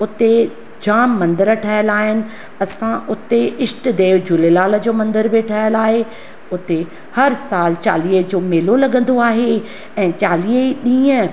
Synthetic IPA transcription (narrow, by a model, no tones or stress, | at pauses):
ʊt̪e | d͡ʑaːmːɐ̃nd̪əɾʈʰɐjəlaːɦɪnɪ̆ | ɐsãʔʊt̪eɪsʈ̆d̪eːʋd͡ʑulelaːləd͡ʑoːmɐ̃nd̪əɾbɪʈʰɐɦjəlaːɦe | ʊt̪e | hɐɾsaːlt͡ɕa̰ːliːəd͡ʑoːmeːlolɐɡə̃nd̪oaːɦe | ɛ̃ːt͡ɕaːliːəiɗĩːə̃